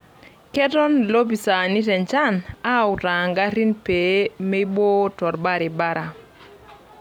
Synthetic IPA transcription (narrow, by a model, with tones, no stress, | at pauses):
kɛ˦tɔ˦nlo˦pi˨sa˨ni˦tɛ˨nt͡ʃa˦na˦˨ʊ˨ta˨ŋɡa˦ɾi˦npe˨˦mɛ˦i˦bo˦tɔ˨ɾba˦ɾɪ˨ba˦ɾʔa˨